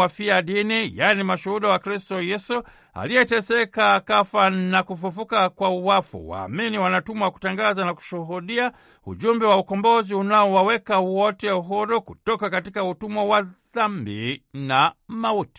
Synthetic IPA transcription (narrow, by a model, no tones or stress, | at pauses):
afiaɗinijanimaʃuhuɗawakɾistɔjɛsu | a̰liɛtɛsɛkakafanakufufukakwauwafṵwa̰ːminiwanatumwaku̥taŋɡazanaku̥ʃuɦuɗia | ṵʄumbɛwaukɔmbɔziunaɔwawɛkawɔtɛuɦɔɾɔkutɔkakatikautumwawaðambḭnamauti̥